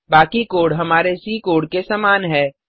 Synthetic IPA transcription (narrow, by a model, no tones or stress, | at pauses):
baːkikoːɽɦɐmaːɾesikoːɽkesaːmaːnɦɛː